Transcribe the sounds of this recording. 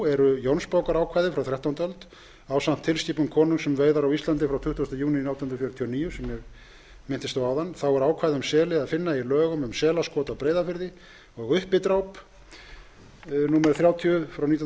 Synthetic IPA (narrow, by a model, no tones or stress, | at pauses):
ɛɾʏjownspaːwkaɾaːwkʰvaːjðɪfɾawθɾjaht̪ːawnt̪œlt̪ | awsan̥t̪ʰːɪlsciːpʏŋkʰɔːnʏŋsɛmveːjðaɾawist̪lant̪ɪfɾawt̪ʰʏht̪ːɔst̪ajuːnɪnawt̪innɾfjœɾʏt̪ʰiɔniːjʏsɛmːjɛɣ | mɪn̥t̪ɪst̪owawðanːθawɛɾaːwkʰajðɪʏmsɛːlɪaðfɪnːailœːɣʏmʏmsɛːlaskɔːt̪awpɾeːjðafɪɾðɪ | ɔɣʏhpɪt̪ɾaːwp | nuːmɛɾʏθɾjaːwt̪ʰiʏfɾawnit̪